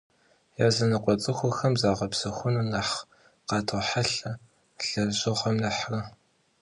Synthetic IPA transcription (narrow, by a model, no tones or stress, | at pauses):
jazɐnɨqʷʼɔt͡sʼɨxʷʊxɐmzaːʁɐpsɐxʷʊnunɐħ | qɑːtʰoħaɬɐ | ɬɐʑɨʁʷɐmnɐħrɐ